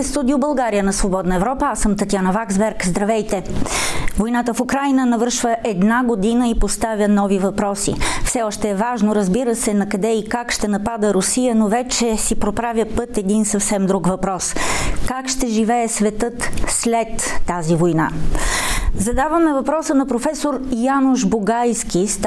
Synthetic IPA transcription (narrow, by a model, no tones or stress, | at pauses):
ɛst̪ud̪iʊbɐlˠɡaɾijənɐsvobɔd̪nəɛvɾɔpəasəmt̪ɐt̪ʲjanɐvaɡzbɛɾkzd̪ɾɐvɛjt̪ɛ | vojnat̪əfukɾajnənɐvɤɾʃvəʔɛd̪naɡod̪inəipost̪avʲjənɔvivɐpɾɔsḭfsɛɔʃt̪ɛːvaʒnoɾəzbiɾəsɛnɐkɐd̪ɛikakʃt̪ɛnɐpad̪əɾʊsijənovɛt͡ʃɛsipɾopɾavʲjəpɤt̪ɛd̪insɐfsɛmd̪ɾuɡvɐpɾɔskakʃt̪ɛʒivɛɛsvɛt̪ɤt̪slɛt̪ːazivojna̰ | zɐd̪avəmɛvɐpɾɔsənɐpɾofɛsoɾjanʊʒboɡajsk̟ist̪